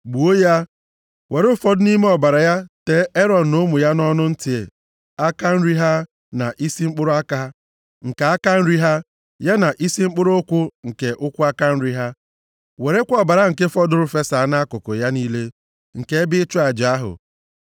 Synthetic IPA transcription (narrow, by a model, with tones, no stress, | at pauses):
ɡ͡bu˨o˦ja˦ | we˨ɾʊ˦fɔ˦dʊ˦ni˦me˦ɔ˨ba˨ɾa˨ja˦te˨˦e˦ɾɔ˨n̩˨no˦mʊ˨ja˦nɔ˦nʊ˦n̩˦tɪ˨e˨ | a˦ka˦n̩˦ɾi˦ɦa˦ | na˨ʔi˦si˦ŋ͡m̩˦k͡pʊ˦ɾʊ˦a˦ka˦ | ŋ̩˨ka˨a˦ka˦n̩˦ɾi˦ɦa˦ | ja˦na˨ʔi˦si˦ŋ͡m̩˦k͡pʊ˦ɾʊ˦ʊ˦kʷʊ˦ŋ̩˨ke˨ʔʊ˦kʷʊ˦a˦ka˦n̩˦ɾi˦ɦa˦ | we˨ɾe˦kʷɔ˦˨ba˨ɾa˨ŋ̩˨ke˦fɔ˦dʊ˦ɾʊ˦fe˦sa˨˦na˦kʊ˨kʊ˨ja˦niː˦le˦ | ŋ̩˨ke˦e˦bɪ˦t͡ʃʊ˦a˨d͡ʒa˦ɦʊ̰˨